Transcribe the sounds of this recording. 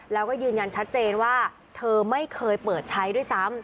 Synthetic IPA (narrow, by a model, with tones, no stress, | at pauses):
lɛː˦˥wkɔː˥˩jɯː˧nja˧nt͡ɕʰa˦˥t̪̚t͡ɕeː˧nwaː˥˩ | t̪ʰɤː˧ma˥˩jkʰɤː˧jpɤː˨˩t̪̚t͡ɕʰa˦˥jdu˥˩əjsa˦˥m